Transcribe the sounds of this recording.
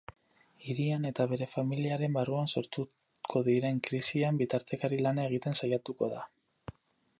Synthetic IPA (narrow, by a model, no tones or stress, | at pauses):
iɾiane̞t̪aβ̞e̞ɾe̞familiaɾe̞mbaruanso̞ɾt̪u | kʰo̞ðiɾe̞ŋkɾisiambit̪aɾt̪e̞kaɾilanae̞ɣ̞it̪e̞nsajat̪uko̞ða